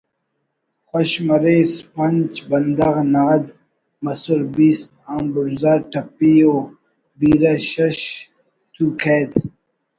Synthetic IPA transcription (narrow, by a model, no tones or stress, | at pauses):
xoɕmɐɾespɐnt͡ʃbɐnd̪ɐɣnɐɣɐd̪ | mɐsuɾbiːst̪̚ambuɾzaʈɐpio | biːɾaɕɐɕ | t̪ʰukʰeːd̪